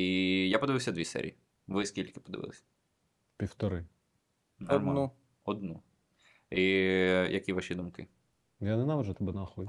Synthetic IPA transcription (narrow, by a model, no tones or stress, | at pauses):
ijapɔd̪ɪʋɪwsʲɐd̪ʋʲisɛ̰ɾʲḭi | ʋɪskʲilʲkɪ̥pɔd̪ɪ̰ʋɪ̰lˠɪsʲɐ̥ | pʲiwt̪ɔɾɪ | nɔnu | ɔd̪nu | ijʔɐkʲiʋaʃʲid̪umkɪ | janɛnaʋɐʒɛt̪ɔbɛnɐxɔdʲ